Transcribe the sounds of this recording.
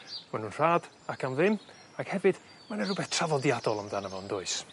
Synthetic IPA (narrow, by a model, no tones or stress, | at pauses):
manhuːnr̥aːd̥ | akʰanvɪm | aɡ̥hɛvɨd̥ | manɛrʊbɛθtʰravɔdjadɔlˠamðanəvɔəndʊɨs